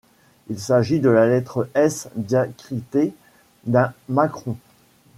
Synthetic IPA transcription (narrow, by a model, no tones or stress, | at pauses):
ilsaʒid̪əlalɛt̪χəɛsd̪jakχit̪e | d̪ɛ̃makχɔ̃